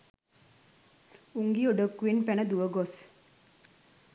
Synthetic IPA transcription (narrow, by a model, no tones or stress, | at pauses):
uŋɡioɖəkːuʋinpænəd̪uʋəɡos